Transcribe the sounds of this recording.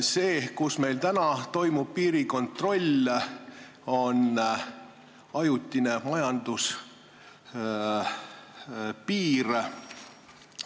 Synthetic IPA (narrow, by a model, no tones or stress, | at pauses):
se̞ːkusme̞jlt̪ænɑt̪o̞jmub̥̚piːɾiko̞nt̪ro̞lʲ | o̞n | ɑjut̪ʲːine̞mɑjɑnd̪us | piːɾ